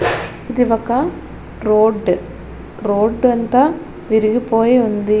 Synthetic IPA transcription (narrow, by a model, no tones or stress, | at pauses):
ɪd̪ɪʋɐkːãː | ɾoːɖ | ɾoːɖʋɐnt̪a | ʋɪɾɯɣɯpoːjiʋɐnd̪ɯ